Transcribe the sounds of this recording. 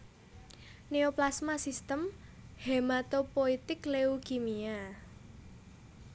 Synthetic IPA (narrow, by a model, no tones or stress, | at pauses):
neoplasmasist̪əmhemat̪opoit̪ɪkleuɡimia